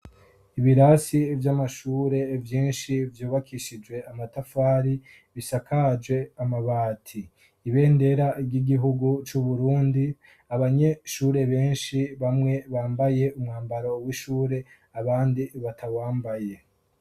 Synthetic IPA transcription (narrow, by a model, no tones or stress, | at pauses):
iβiɾasivjamaʃuːɾe̞vjiːnʃivjuːβakiʃid͡ʒwe̞amatafaːɾi | βisakʰad͡ʒɡwe̞amaβaːtʰiː | βe̞ːnde̞ɾaibɟiɡiɦuɡut͡ʃuβuɾuːndi | aβaɲe̞ʃuɾe̞βe̞ːnʃiβamŋe̞βaːmbaje̞umŋaːmbaɾo̞wiʃuːɾe̞ | aβaːndiβatʰawaːmbaje̞